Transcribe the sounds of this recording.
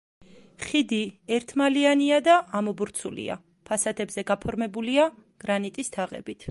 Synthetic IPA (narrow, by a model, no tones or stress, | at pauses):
χid̪iɛɾt̪ʰmalianiad̪aʔːmɔbuɾt̪sʰulḭa̰ | pʰasad̪ɛbzɛɡapʰɔɾmɛbuliaɡ̥ɾanit̪ʼist̪ʰaʁɛ̰bit̪ʰ